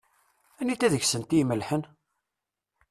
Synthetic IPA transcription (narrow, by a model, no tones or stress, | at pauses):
ænːit̪ːæðəçsənt̪ijməlħən